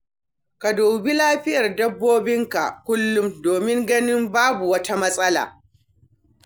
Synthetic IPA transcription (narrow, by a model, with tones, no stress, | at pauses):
ka˨doː˨bi˦laː˦ɸɪ˦jɐ˨rdɐ˦bːoː˦bɪ˦ŋka̰˨ʔkʷʊ˦lːʊ˦mdoː˨mɪ˦ŋɡɐ˦nɪ˦mbaː˦bu˨wɐ˦ta˦mɐ˦sʼɐ˦la̰ː˨